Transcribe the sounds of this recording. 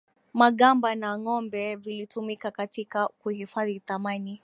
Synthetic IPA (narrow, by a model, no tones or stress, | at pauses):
maɠambanaŋɔmbɛvilitʰumikakatikakuhifaðiθamani